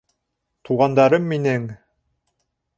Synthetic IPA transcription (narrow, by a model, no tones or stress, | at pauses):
t̪ʰuʁɑnd̪ɑɾɤmːinɘŋ